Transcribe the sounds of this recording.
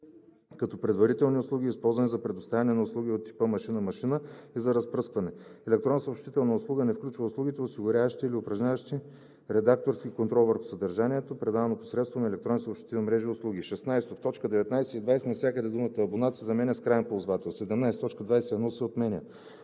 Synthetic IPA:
kɐt̪ɔpɾɛd̪vɐɾit̪ɛlˠniʊslˠuɡʲiːspɔlˠzvɐnɛzɐpɾɛd̪ost̪avʲɐnɛnɐʊslˠuɡʲiot̪ːi̥pəmɐʃinəmɐʃinəizɐɾɐspɾɤskvɐnɛɛlɛk̚t̪ɾɔnːsopʃt̪it̪ɛlˠnɐəʊslˠuɡənɛfklʲut͡ʃvəʊslˠuɡʲit̪ɛʊsiɡʊɾʲavəʃt̪iːliʊpɾɐʒɲʲavɐʃt̪i | ɾɛd̪ak̚t̪oɾsk̟ʲikont̪ɾɔlˠvəɾxʊ̥səd̪ɐɾʒanʲiɛt̪opɾɛd̪aɐnopo̥sɾɛt̪st̪vonɐɛlɛk̚t̪ɾɔnisoːpʃt̪i̥t̪ɛnmɾɛʒiʊslˠuɡ̟iʃɛsnajst̪oft̪ɔt͡ʃkəd̪ɛvɛt̪najsɛid̪vajsɛnɐfsʲakəd̪ɛd̪umət̪əɐbonat̪sizɐmɛnʲəskɾajɛnpolˠzvat̪ɛlˠsɛd̪ɛmnajsɛ̥t̪ɔt͡ʃkəd̪vajsɛɛd̪nɔsɛot̪mɛnʲə

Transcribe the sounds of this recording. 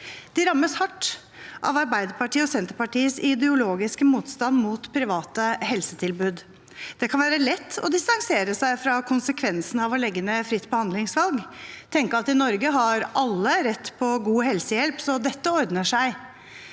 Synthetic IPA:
d̪̥ɪɾɑmːəshɑʈː | ʔɑ̰ʋɑɾbæɪd̪əpɑʈiːəɔsɛnt̪əɾpɑʈiːəsɪd̪ɛʊloːɡɪskəmuːt̪st̪ɑnmuːt̪pʰɾɪʋɑːt̪əhɛlsət̪ʰɪlbʉːd̪ | d̪̥ɛkʰɑnʋæːɾəlɛt̪ːɔ̰d̪ɪst̪ɑŋseːɾəsæɪfɾɑkʰʊnsəkʰʋɛnsn̩ɑʋɔlɛɡːənəfɾɪt̪ːbəhɑnd̪lɪŋsʋɑlɡt̪ʰɛŋkəɾɑt̪ɪnɔɾɡəɦɑɾʔɑlːəɾɛt̪ːpʰɔɡuːɦɛlsəjɛlpsɔd̪ɛt̪ːəɔɾd̪nəʂæɪ

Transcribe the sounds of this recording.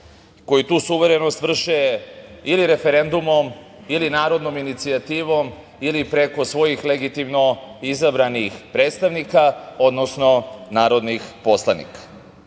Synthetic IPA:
ko̞jit̪uːsuʋe̞ɾeno̞st̪ʋr̩ʃeiliɾe̞fe̞ɾe̞nd̪umo̞m | ilinaːɾo̞d̪no̞minit̪siat̪iːʋo̞m | ilipɾe̞ko̞sʋo̞jixle̞ɡit̪imno̞izabɾanixpɾe̞ːt̪st̪aʋnikao̞d̪no̞sno̞naːɾo̞d̪nixpo̞slˠanḭkḁ

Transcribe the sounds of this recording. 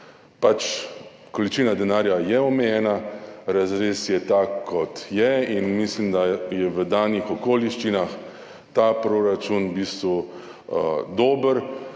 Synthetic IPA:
pat͡ʃ | kɔlit͡ʃiːnad̪ɛnaːɾjajɛɔmɛjɛːnaɾazɾeːsjɛt̪akʰːɔt̪jɛinmislimd̪ajɛʋəd̪aːnixɔkoːliʃt͡ʃinax | t̪aːpɾoɾat͡ʃunbiːst̪ʋu | d̪oːbəɾ

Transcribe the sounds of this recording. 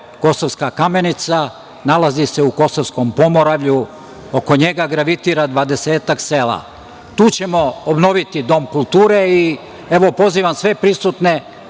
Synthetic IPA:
ko̞soʋskakame̞nit̪sa | nalazise̞uko̞soʋsko̞mpo̞moɾaʋʎu | o̞ko̞ɲe̞ɡaɡɾaʋit̪iːɾad̪ʋaːd̪e̞seːt̪akseːla̰ | t̪uːt͡ɕe̞mo̞obno̞ʋit̪id̪o̞mkulˠt̪uːɾei | e̞ʋo̞po̞ziːʋamsʋe̞pɾisut̪ne̞

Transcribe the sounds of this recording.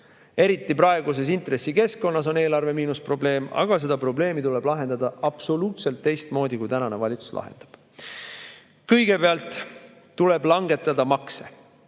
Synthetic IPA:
e̞ɾit̪ˑːipɾɑe̞ɡ̥us̬e̞s̬int̪ɾe̞sːike̞sko̞nːɑs̬o̞ne̞ːlɑrve̞miːnuspro̞ble̞ːmɑ̰ɡ̥ɑs̬e̞d̪̥ɑpro̞ble̞ːmit̪ule̞b̥lɑɦe̞nd̪̥ɑd̪̥ɑʔɑb̥so̞luːt̪se̞lt̪ːe̞jst̪mo̞ːd̪ikujt̪ænɑne̞vɑlʲit̪su̥slʔɑ̰ɦḛnd̪̥ɑ̥b̥ | kɤjɡ̥e̞peɑlt̪ˑː | ule̞blɑŋɡe̞t̪ːˑɑd̪̥ɑmɑkse̞

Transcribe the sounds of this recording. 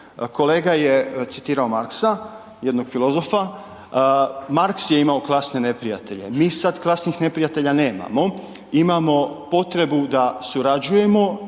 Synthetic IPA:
ko̞leːɡajet̪sit̪iːɾao̞maɾksa | jed̪no̞ɡ̥filo̞zofa | maɾksje̞imao̞klˠasne̞ne̞pɾija̰t̪e̞ʎe̞̰miːsad̪klˠasnixnepɾijat̪e̞ʎane̞ːma̰mo̞ | imamo̞po̞t̪ɾe̞bud̪asuɾad͡ʒuje̞mo̞

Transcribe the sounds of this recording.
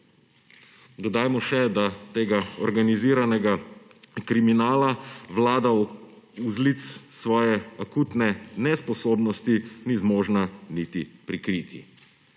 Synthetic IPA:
d̪ɔd̪aːjmɔʃɛd̪at̪eːɡaɔɾɡaniziːɾanɛɡakɾiminaːlaʋlaːd̪a | uzlit̪ssʋɔːjɛakuːt̪nɛnɛspɔsoːbnɔst̪inizmoːʒnanit̪ipɾikɾiːt̪ʰḭ

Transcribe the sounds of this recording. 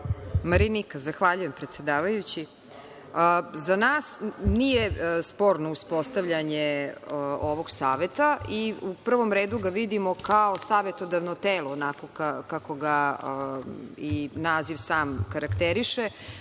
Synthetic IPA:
maɾinikazaxʋaʎuje̞mpɾet̪se̞d̪aːʋajut͡ɕi | əzanaːsnijespo̞ːɾno̞uspo̞st̪aʋʎaɲe | oʋo̞ɡsaːʋet̪aʔiupr̩ʋo̞mɾeːd̪uɡaʋid̪imo̞kaosaːʋe̞t̪o̞d̪aʋnot̪eːlˠoːnako̞kakako̞ɡa | inaːziʋsaːmkaɾakt̪eɾiʃe

